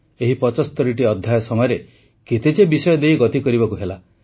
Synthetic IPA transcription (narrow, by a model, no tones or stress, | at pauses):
eɦipɔt͡ʃɔst̪ɔɾiʈiɔd̪ʱːjajɔsɔmɔjɔɾe | ket̪et͡ʃebisɔjɔd̪ejɡɔt̪ikɔɾibɔkuɦela